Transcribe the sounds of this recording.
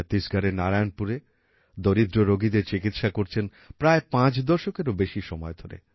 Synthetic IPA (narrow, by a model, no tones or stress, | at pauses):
t̪iʃɡʱaɾenaɾanpuɾe | d̪oɾid̪ɾoɾoɡid̪eɾt͡ɕikit̪ʃakoɾt͡ɕʰen | pɾaepãt͡ɕd̪ɔʃokeɾobeʃiʃɔmɔed̪ʱoɾḛ